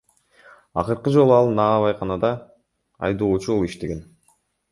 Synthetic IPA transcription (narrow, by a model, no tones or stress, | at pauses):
ɑ̰qɯɾqɯd͡ʒo̞lˠuɑlˠnɑːβɑjqʰɑnɑd̪ɑ | ɑ̰jd̪o̞ːt͡ʃuolˠiʃt̪e̞ɡe̞n